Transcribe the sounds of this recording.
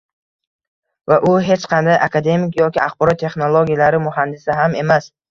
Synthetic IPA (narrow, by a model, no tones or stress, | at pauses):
vaʔʊɦe̞t͡ʃqʰɑnd̪ajʔakʰad̪e̞mikʲjɒkʲiaχbɒɾɒt̪ːʰe̞χnolˠoɡʲijalaɾɪmʊɦand̪ɪsɪɦame̞mas